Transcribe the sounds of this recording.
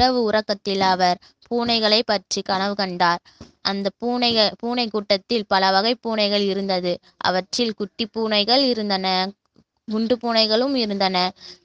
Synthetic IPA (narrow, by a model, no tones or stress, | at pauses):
ɐʋɯʊɾɐkːɐt̪ːɪlɐʋɐɾ | puːnɐɪɣɐɭɐɪpːɐʈrikɐnɐʋɯkɐɳɖaːɾ | ʔɐnd̪ɐpuːnɐɣɐpuːnɐɪkuːʈːɐt̪ːɪlpɐlɐʋɐɣɐɪpːuːnɐɪɣɐɭɪɾɯnd̪ɐðɯ | ʔɐ̰ʋɐʈrɪlkʊʈːipːuːnɐɪɣɐɭɪɾɯnd̪ɐnɐ | ɡʊɳɖɯpuːnɐɪɣɐɭɯmɪɾɯnd̪ɐnɐ